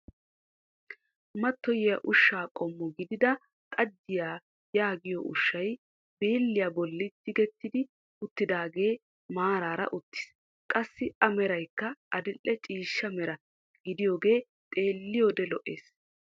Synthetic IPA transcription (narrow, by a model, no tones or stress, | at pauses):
mɐt̪ːɔjɪjɐʔʊʃːaːkʼɔmːʊɡɪd̪ɪd̪ɐ | t̪ʼɐd͡ʒːɪjaː | jaːɡɪjɔʔʊ̰ʃːɐj | beːlːɪjabɔlːɪt̪ːɪɡɛt̪ːɪd̪ɪ | ʊt̪ːɪd̪aːɡe̞ː | maːɾaːɾɐ̰ʔʊt̪ːɪ̥s | kʼɐsːɪɐmɛɾɐjkːɐɐd̪ɪlːɛt͡ʃʼiːʃːɐmɛɾɐ | ɡɪd̪ɪjo̞ːɡe̞ː | t̪ʼe̞ːlːɪjoːd̪ɛlɔʔeːs